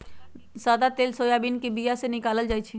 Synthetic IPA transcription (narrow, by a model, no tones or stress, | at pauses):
saːd̪at̪eːlsoːjabiːnkibijasenɪkaːləld͡ʒaːjt͡ʃʰi